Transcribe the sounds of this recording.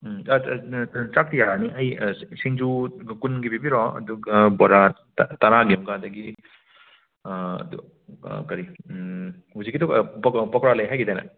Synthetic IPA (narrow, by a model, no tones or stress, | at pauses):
t͡ʃak̚tijaniʔɐjsiŋd͡ʒukunɡibibiɾɔɐ̰d̪uɡɐbɔɾa | tɐɾaɡimɡadɐɡi | ɐ̰du | kɐɾi | hud͡ʒiɡitɔkpkpɔkɾalɐjɦajɡidajnɐ̰